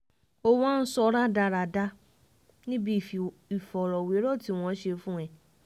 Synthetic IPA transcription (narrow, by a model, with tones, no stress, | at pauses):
o˧w̃ã˦n̩˦sɔ˧ɾa˦da˧ɾa˨da˧˦ | nĩ˦bi˦˨f | i˨fɔ˨ɾɔ˨we˨˦ɾɔ˦˨ti˦w̃ɔ̃˧˦ʃe˧fũ˦ɛ̃˨